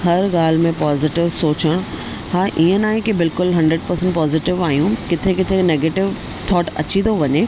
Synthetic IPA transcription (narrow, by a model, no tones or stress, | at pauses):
ɦɐɾɡaːl̤mẽpaːzɪʈɪʋsoːt͡ɕəɽ̃ | haːʔiə̃naːɦẽkebɪlkʊlɦɐ̃ɳɖɾəɖ̚pɐɾsə̃ɳʈpɔːzɪʈɪʋaːɦijũkɪt̪ʰekɪt̪ʰeneːɡeːʈɪʋ | t̪ʰɔːʈɐ̰t͡ɕit̪ʰoʋɐɲeː